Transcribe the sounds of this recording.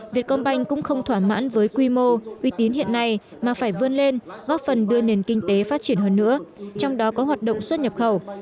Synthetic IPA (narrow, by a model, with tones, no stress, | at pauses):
vi˨˩ət̚kɔ˧nɓa˧jŋ̟kʊ̰˧˥ŋ͡mxə˧wŋ͡mt̪ʰwaː˧˩ma̰ː˧˥nvəː˨˦jkwi˧mo˧ʔi˧t̪i˨˦ənhḭ˧˨ənːa˧˩j | maː˨˩faː˧˩jvɨ˧ənle˧nɣɔ˦˥p̚fə˨˩nɗɨ˧əne˨˩nkï˧ŋ̟t̪e˨˦faː˦˥t̚t͡ɕi˧˩ənɦəː˧nːɨ̰˧˥ət͡ɕɔ˧wŋ͡mɗɔ˨˦kɔ˨˦ɦwaː˨˩t̚ɗə̰˧˨wŋ͡mswə˦˥t̚ɲə˨˩p̚xə˧˩w